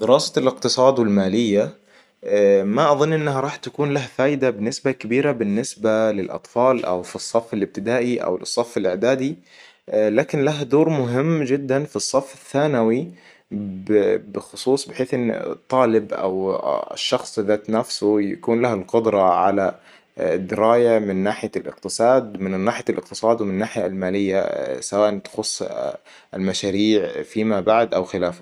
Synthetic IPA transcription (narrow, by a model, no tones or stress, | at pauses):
d̪ɪɾɑːsḁlɪqt̪ɨsˤɑːd̪wɪlmaːlɪjːa | maʔɑðˤʊnːʔɪnːaɦaɾˤɑːħt̪akuːnlahfaːjɪd̪abɪnːɪsbakabiːɾabɪnːɪsbalɪlʔɑ̰t̪ˤfɑːlʔa̰wfisˤːɑfːɪlɪb̚t̪ɪd̪aːʔiʔa̰wlɪ̰sˤːɑfːɪlʔɪʕd̪aːd̪i | laːkɪnlaɦd̪oːɾˤmʊɦɪmːd͡ʒɪd̪ːanfisˤːɑfːɪθːaːnawi | bbɪxʊsˤuːsˤbɪħeːθʔɪnːt̪ˤːɑːlɪbʔa̰wʃːɑxsˤʔɪðaːt̪nafsʊjakuːnlahalqʊd̪ɾˤɑʕala | d̪ːɪɾaːjamɪnːaːħɪjalʔɪ̰qt̪ɨsˤɑːd̪mɪnɪnːaːħɪjalʔɪ̰q̚t̪ɨ̥sˤɑːd̪wɪmɪnːaːħɪjalmaːlɪjːasawaːʔant̪xʊsˤː | ɪlmaʃaːɾiːʕfimaːbaʕd̪ʔawxɪlaːfa